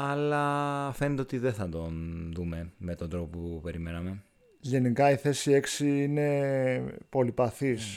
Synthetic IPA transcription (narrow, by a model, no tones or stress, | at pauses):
ɐlɐfe̞net̪eo̞t̪iðeθɐd̪o̞nðume̞me̞t̪o̞nd̪ɾo̞popoupe̞ɾime̞nɐme̞ | ʝe̞nikɐiθe̞sie̞ksiine̞ | po̞lipɐθis